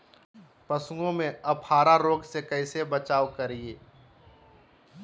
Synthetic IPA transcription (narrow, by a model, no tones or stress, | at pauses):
pɐsʊ̃ɡõmẽɐbhaːɾaɾoːɡsekəɪsebət͡ʃaːʋkɐɾieː